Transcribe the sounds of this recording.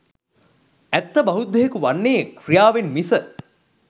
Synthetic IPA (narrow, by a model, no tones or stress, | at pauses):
ɛt̪ːəbɐɦud̪ʱːeɦekuʋanːeːkrijaːʋenmisə